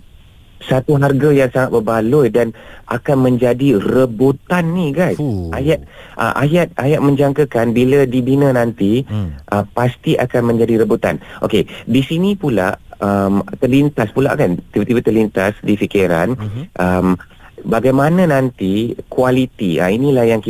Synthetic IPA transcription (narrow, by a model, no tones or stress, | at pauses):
sat̪uɦarɡajaŋsaŋat̪̚bəbalʊjdana̰kanmə̃ɲd͡ʒadirəbot̪anːiɡajsʔajat̪̚ | ʔə̰ʔajat̪̚ajat̪̚mə̃ɲd͡ʒaŋkəkanbilədibinə̃nant̪iʔəpast̪iʔa̰kanmə̃ɲd͡ʒadiɾəbut̪a̰nʔo̰kedisinĩpula̰ʔəmt̪ərlint̪aspula̰ʔkant̪ibət̪ibət̪ərlint̪asdifikiɾa̰nʔəm | baɡajmanãnant̪ikualit̪ia̰inĩlahjaŋki